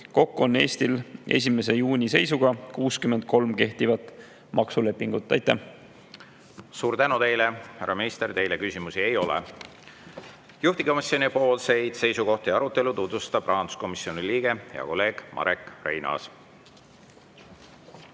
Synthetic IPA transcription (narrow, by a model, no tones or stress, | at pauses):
ko̞kːuonːe̞ːst̪ile̞̰s̬ʲime̞s̬e̞juːnʲise̞jsuɡ̥ɑkuːskyme̞nd̪̥̚ko̞lmke̞ht̪ivɑt̪ˑ | mɑksule̞pːˑiŋɡ̥ut̪ːˑɑjt̪ːˑæh | suːɾt̪ænut̪e̞jlehæɾːɑmnist̪ert̪e̞jlekysʲimusie̞jo̞lḛ | juht̪iko̞misjo̞nʲipo̞ːlse̞jd̪̥se̞jsuko̞ht̪ejɑɾut̪ːˑelut̪ut̪vust̪ɑpːrɑɦɑnd̪u̥sko̞misːjoniliːɡ̥e̞hḛɑ̰ko̞lːe̞ːɡ̥mʔɑ̰ɾekrḛjnɑ̰s